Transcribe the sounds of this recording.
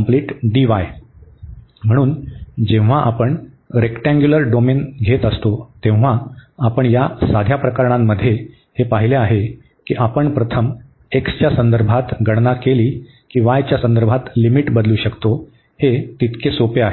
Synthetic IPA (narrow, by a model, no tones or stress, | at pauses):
mpliːʈɖiʋaj | m̤əɽ̃uːnd͡ʑẽʋ̃ʋ̤aʔapəɳ | ɾekʈãŋɡjuləɾɖomenɡʱet̪əst̪ot̪ẽʋ̃ʋ̤aːpəɳjasad̪ʱjapɾəkaɾɳamːəd̪ʱːje | hepaɦileaɦe | kiːʔapəɳpɾət̪ʰəm | ekst͡ɕjasənd̪əɾbʱat̪ɡʱəɽnakeliː | kiːʋajt͡ɕjasənd̪əɾbʱat̪limiʈbəd̪luːɕəkt̪o | het̪it̪kʰesopeaɦe